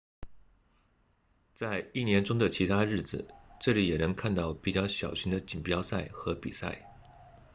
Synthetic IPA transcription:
t͡sa˥˧ɪi˥˩njɛ˧˥nʈ͡ʂʊ˥ŋd̪ə˨t͡ɕʰi˧˥t̪ʰa˥ɻɻ̩˥˩d͡zɹ̩˩ʈ͡ʂɤ˥˩li˨˧˥jɛ˨˩nɤ˧˥ŋkʰa˥˧nt̪ɑ˥˩ʊpi˨˩t͡ɕjɑ˥˩ʊɕjɑ˨˩ʊɕi˧˥ŋd̪ə˧t͡ɕi˨˩npjɑ˥ʊsa˥˩ɪxɤ˧˥pi˨˩sa̰˥˩ɪ

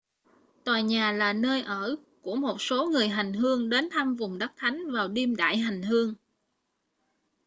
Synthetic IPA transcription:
t̪waː˨˩jɲaː˨˩laː˨˩nəː˧jʔəː˧˩ | ku˧˩əmo˨˩t̚so˨˦ŋɨ˨˩əjɦa˨˩jŋ̟ɦɨ˧əŋɗe˨˦nt̪ʰaː˧mvʊ˨˩ŋ͡mɗə˦˥k̚t̪ʰa˨˦jŋ̟vaː˨˩wɗi˧mɗa̰ː˧˨jɦa˨˩jŋ̟ɦɨ˧əŋ

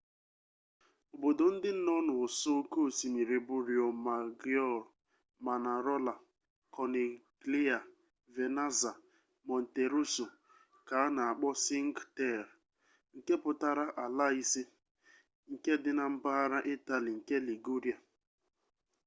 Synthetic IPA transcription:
o˨bo˨do˨n̩˦dɪ˦n̩˦nɔ˦nʊ˨ʊ˨so˦ko˦˨si˨mi˨ɾe˨bʊ˦ɾi˨o˨ma˨ɡjɔ˦˨l | ma˨na˨ɾɔ˦la˨ | kɔ˨ne˨ɡli˦a˨ | ve˨na˦za˨ | mɔ˨n̩˨te˨ɾu˦so˨ | ka˨˦na˨a˨k͡pɔ˦si˦ŋ̩˦ɡte˦˨ɾ | ŋ̩˨ke˦pʊ˨ta˦ɾa˦ʔa˨la˦i˦si˦ | ŋ̩˨ke˦dɪ˦na˨m̩˦ba˦ɾa˦ʔe˦ta˨li˨ŋ̩˨ke˦li˨ɡu˦ɾi˨a˨

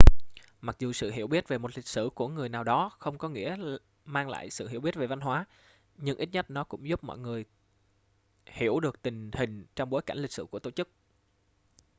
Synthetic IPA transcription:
ma˨˩k̚zu˨˩sɨ̰˧˨ɦi˧˩əwɓi˦˥ət̚ve˨˩mo˨˩t̚lï˨˩k̟̚sɨ̰˧˩ku˧˩əŋɨ˨˩əjnaː˨˩wɗɔ˨˦xə˧wŋ͡mkɔ˨˦ŋḭ˧˥ə | maː˧ŋla̰ː˧˨jsɨ̰˧˨ɦi˧˩˥wɓi˦˥ət̚ve˨˩va˧nɦwaː˨˦ | ɲɨ˧ŋʔi˦˥t̚ɲə˦˥t̚nɔ˨˦kʊ̰˧˥ŋ͡mzu˦˥p̚mɔ̰˧˨jŋɨ˨˩əj | hi˧˩əwɗɨ˨˩ək̚t̪ï˨˩ŋ̟hï˨˩ŋ̟t͡ɕɔ˧wŋ͡mɓo˨˦jka˧˩ŋ̟lï˨˩k̚sɨ̰˧˩ku˧˩ət̪o˧˩t͡ɕɨ˦˥k̚

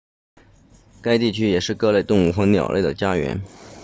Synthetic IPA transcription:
ka˥ɪt̪i˥˩t͡ɕʰy˥jɛ˨˩ʂɻ̩˥˩kɤ˥le˥˧ɪt̪ʊ˥˧ŋu˥˩xwɤ˧˥njɑ̰˨˩ʊlḛ˥˩ɪd̪ə˩t͡ɕja˥ɥɛ̰˧˥n

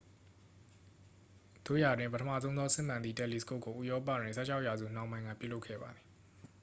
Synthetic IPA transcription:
d̪̥o˦˨ja˨dwɪ̃˨pətʰəmä̰˦˨zõ˦ʊ̃ðɔ˦sɪ̰̃˦˨m̥ã˨nd̪ði˦˨tɛ˦˨li˨sə̥ko˦˨kːo˨ʔu˦˨jɔ˦p̬ä̰˦˨dwɪ̃˨nsʰɛ̰˦˨t͡ɕʰa˦ʊʔja˨zṵ˦˨n̥ã˨ʊ̃mã˦ɪ̃ŋɡa̰˦˨pjṵ˦˨lo˦ʊkʰɛ̰˦˨ba˨d̪ði˨

